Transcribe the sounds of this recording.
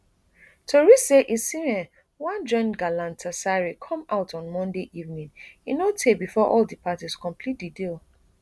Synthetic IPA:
tʰoɹisseʔisĩɛ | wãnd͡ʒɔ̃nɡalãntʰasaɹikʰɔ̃maʊtʰɔ̃nmɔ̃ndeʔivnĩninotʰebifɔʔɔldipʰatiskɔ̃mpʰlit̚didil

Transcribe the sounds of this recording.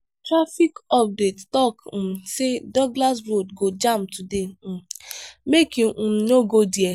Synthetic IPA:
tɾafikɔp̚dettɔkm̩sedɔɡlas̬ɾodɡod͡ʒam̩tʰudem̩mekiʔũm̩noɡodie

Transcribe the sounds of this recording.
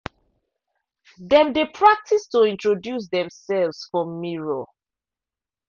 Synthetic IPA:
dɛ̃mdepʰɹak̚tʰistoĩntɹodjus̬dɛ̃msɛlvsfɹɔ̃mːiɹo

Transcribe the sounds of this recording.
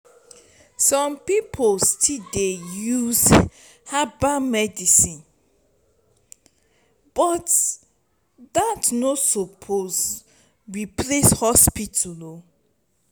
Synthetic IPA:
sɔ̃mpipʰolstʰidejuz | habamɛdisĩn | b̥ɔt | datnosɔpʰoz | ɹipleshɔspitʰulo

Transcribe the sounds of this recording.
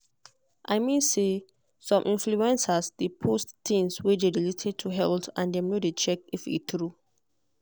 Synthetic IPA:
ʔaɪmĩnse | sɔ̃mʔĩnfluɛ̃nsasdepʰosttĩŋswedeɹiletʰɛd̚tʰuɦɛltãndɛ̃mnodet͡ʃɛkifḭtɹu

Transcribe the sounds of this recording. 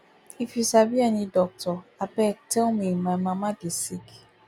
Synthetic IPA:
ifjusabianidɔk̚tɔabɛk̚tʰɛlmimajmamadisik

